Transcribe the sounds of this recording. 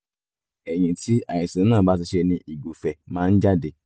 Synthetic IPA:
e˨ɲĩ˨ti˦a˨ɲɪ˨si˨˦nãː˦˨ba˦˨tɪ˧ʃe˧nĩ˦ʔi˨ɡo˨fɛ˨mã˦n̩˦d͡ʒa˦de˨

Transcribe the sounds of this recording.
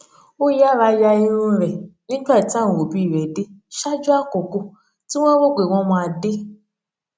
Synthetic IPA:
o˦ja˦˨ɾa˧˦ja˧i˦ɾũ˦ɾɛ˨nĩ˦ɡ͡ba˦˨i˨tã˦˨wo˨bi˦˨ɾɛ˨de˦ʃa˦d͡ʒu˦a˦˨ko˨ko˧ | ti˦w̃ɔ̃˦ɾo˦˨ɡ͡be˨w̃ɔ̃˧mɔ̃˧a˧de˦

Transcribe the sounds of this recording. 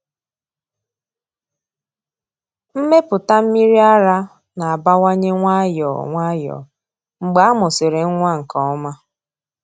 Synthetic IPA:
m̩˦me˦pʊ˨ta˦m̩˦mi˦ɾi˦a˦ɾa˦ | na˨a˨ba˦wa˦ɲe˦ŋʷa˦jɔ̰˨ŋʷa˦jɔ̰˨ | ŋ͡m̩˨ɡ͡ba˨a˦mʊ˨sɪ˨ɾe˨ŋ̩˦ŋʷa˦ŋ̩˨kɔ˨ɔ˦ma˦

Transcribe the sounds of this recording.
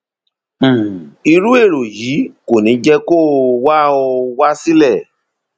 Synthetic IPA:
i˧ɾu˦e˦˨ɾo˨ji˨˦ko˨nĩ˨˦d͡ʒɛ˦ko˦˨wa˦o˧wa˦si˦lɛ˦˨

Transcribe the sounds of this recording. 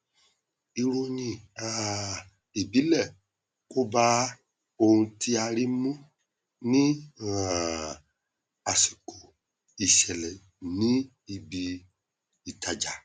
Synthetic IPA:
i˧ɾo˧ɲĩ˨a˨ | i˨bi˨˦lɛ˦˨ | ku˦ba˦ | o˧hũ˧tʰi˧a˧ɾi˦mũ˦ | nĩ˦ | a˨si˨ko˨ | i˨ʃɛ˨lɛ˨ | nĩ˦ | i˨bi˧ | i˨ta˨d͡ʒa˨

